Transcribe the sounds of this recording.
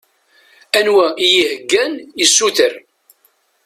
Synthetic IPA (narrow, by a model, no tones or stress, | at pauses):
ænwæijihəɡːænjəsːuθəɾ